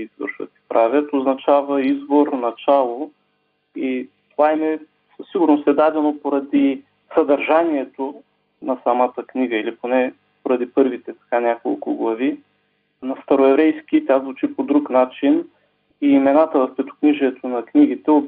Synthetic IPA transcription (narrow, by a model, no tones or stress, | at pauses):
izvə̰ɾʃvə̰t̪i̥pɾʔavʲjət̪oznɐt͡ʃavəizboɾnɐt͡ʃalˠo | it̪ovaɛmɛ | siɡuɾnosɛd̪ad̪ɛnopoɾɐd̪i | sɐd̪ɐɾʒaniɛt̪o | nɐsɐmat̪əkniɡəiliponɛ | poɾɐd̪ipɤɾvit̪ɛt̪ɐ̥kanʲako̰lˠkʊ̰ɡlˠɐvi | nɐst̪ɐɾoɛvɾɛjskʲit̪ʲazvut͡ʃipod̪ɾuknat͡ʃin | iːmɛnat̪əvɐfpɛt̪o̥kniʒɛɛt̪ʰonɐkniɡit̪ɛo